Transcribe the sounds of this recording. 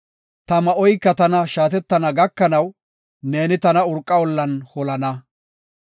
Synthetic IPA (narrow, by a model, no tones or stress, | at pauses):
t̪ɐmɐɔjkːɐt̪ɐnɐʃaːt̪ɛt̪ːɐnɐɡɐkːɐnɐw | ne̞ːnɪt̪ɐnɐʊɾkʼːɐwɔlːɐnhɔlɐnɐ